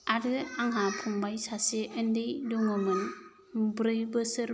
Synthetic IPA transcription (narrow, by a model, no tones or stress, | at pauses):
aɾɯaŋɦapʰumbajsaseʔɯndɯjduŋɯmɯn | bɾɯjbɯsɯɾ